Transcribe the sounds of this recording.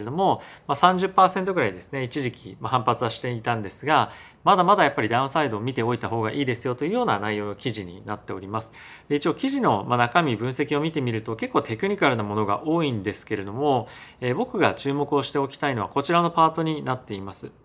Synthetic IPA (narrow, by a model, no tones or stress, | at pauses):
d̪o̞mo̞masãɲ̟d͡ʑɨpːaːsent̪̬o̞ɡɯ̟ɾaid̪e̞sɨ̥ne̞it͡ɕiʑikʲimahãmpat͡sɨβaɕi̥t̪e̞it̪ãnd̪e̞sɨɡa | mad̪amad̪ajapːaɾʲid̪ãɯ̃said̪o̞ːmʲit̪e̞o̞it̪aɦo̞ːɡaʔiːd̪e̞sɨjo̞t̪o̞jɯ̟ːjo̞ːnanaijo̞ːnokʲiʑiɲ̟ḭnat̪ːe̞oɾʲimasɨ̥ | d̪e̞it͡ɕio̞ːkʲiʑino̞manakamʲibɯ̟̃ɰ̃se̞kʲio̞mʲit̪e̞mʲiɾɯ̟t̪o̞ke̞kːoːt̪e̞kɯ̟ɲ̟ikaɾɯ̟namo̞no̞ɡa̰ʔo̞ːĩnd̪e̞sɨ̥ke̞ɾe̞d̪o̞mo̞eːbo̞kɯ̟ɡat͡ɕɨːmo̞kɯ̟o̞ɕi̥t̪e̞o̞kʲi̥t̪aino̞βako̞t͡ɕiɾano̞paːt̪o̞ɲ̟inat̪ːe̞imasɨ̥